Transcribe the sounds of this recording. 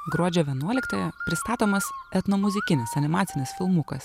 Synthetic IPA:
ɡɾuɔd͡ʒʲoːʋʲiɛnuɔlʲɪkt̪ɐjɛpʲɾʲɪst̪ɑːt̪oːmɐsɛt̪nomʊzʲɪkʲɪnʲɪsɐnʲɪmɑːt̪sʲɪnʲɪsfʲɪlˠmʊkɐs

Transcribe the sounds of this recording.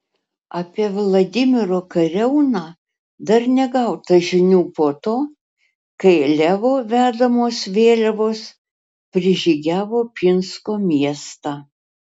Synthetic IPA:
ɐːpʲiɛʋlˠɐd̪ʲɪmʲɪɾoːkɐɾʲɛʊnɑː | d̪ɐɾnʲɛɡɐʊt̪ɐʒʲɪnʲuːpoːt̪oː | kɐɪlʲæːʋoːʋʲæːd̪ɐmoːsʋʲeːlʲɛʋoːs | pʲɾʲɪʒʲiːɡʲæːʋoːpʲɪnskoːmʲiɛst̪ɑː

